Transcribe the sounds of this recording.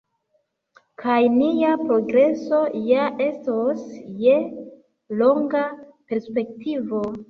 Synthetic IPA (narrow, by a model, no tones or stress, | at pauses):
kʰajnijapɾo̞ɡɾe̞so̞jaʔe̞stosje̞ | lo̞ŋɡa | pe̞ɾspe̞k̚tivo̞